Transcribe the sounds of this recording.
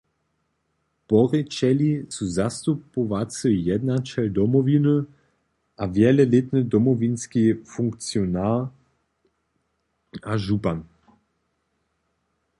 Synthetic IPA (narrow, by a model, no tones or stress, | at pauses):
pɔʁɛt͡ʃɛlisuzast̪upoʋat͡səjɛd̪nat͡ʃɛld̪ɔmɔvinə | ʔavjɛlɛlet̪nəd̪ɔmɔvinskifuŋkt͡siɔna | aʒupan